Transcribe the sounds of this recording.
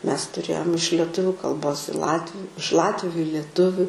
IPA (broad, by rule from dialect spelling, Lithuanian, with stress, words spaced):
ˈmʲɛs tʊˈrʲeːjoːm ɪʃ lʲɛˈtʊʋʲʊ kɐlˠˈboːs ɪ ˈlˠɑːtʲʋʲʊ ɪʃ ˈlˠɑːtʲʋʲʊ ɪ lʲiɛˈtʊʋʲʊ